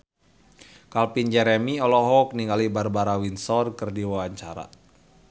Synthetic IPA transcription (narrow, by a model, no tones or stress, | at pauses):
kalpind͡ʒɛɾɛmiɔlɔɦɔk̚niŋɡalibarbaɾawinsɔrkɨrdiwawaɲt͡ʃaɾa̰